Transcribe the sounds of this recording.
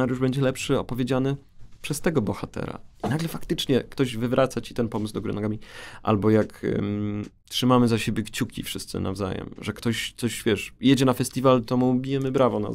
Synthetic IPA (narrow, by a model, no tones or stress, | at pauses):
aɾjuʐbɛɲd͡ʑɛlɛpʂɘɔ̰pɔvʲjed͡ʑanɘ | pʂɛst̪ɛɡɔbɔxat̪ɛ̰ɾa̰inaɡlɛfakt̪ɘt͡ʂɲɛkt̪ɔʑvɘvɾʔat̪sat͡ɕi̥t̪ɛnpɔmɘzd̪ɔɡuɾɨ̰nɔɡamʲiʔa̰lbɔjak | tʂɘmamɘzaɕebʲjɛkt͡ɕukʲḭfʂɘst̪sɘ̰na̰vza̰jɛ̰mʐɛkt̪ɔɕt̪sɔɕvʲjɛʂjɛd͡ʑɛnafɛst̪ʲivalt̪ɔmubʲijɛmɘbɾavɔna̰